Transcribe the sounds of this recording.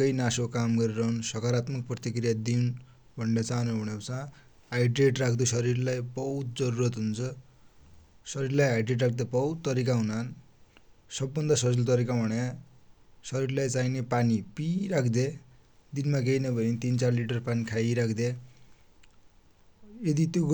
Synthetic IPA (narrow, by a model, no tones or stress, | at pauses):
kʌjnasokamɡʌɾiɾʌɦunsʌkaɾat̪mʌk̚prʌt̪ikrijad̪iun | bʱʌnɖʌt͡sanuɦuɽet͡sã | ajɖreʈrakʰd̪osʌɾirlajbʌɦut̪̚d͡zʌɾuɾʌt̪ɦunt͡sʰʌ | sʌɾiɾlajajɖreʈrak̚ʰd̪ebʌutt̪ːʌɾik̬aɦunan | sʌbːʌnd̪asʌd͡zʌlt̪ʌɾikabʱʌɽja | sʌɾirlajt͡sainepanipiɾakʰd̪e | d̪inmaɡejnʌbʱʌnit̪int͡sarliʈʌrpanikʰajɾakʰd̪e | jed̪it̪jo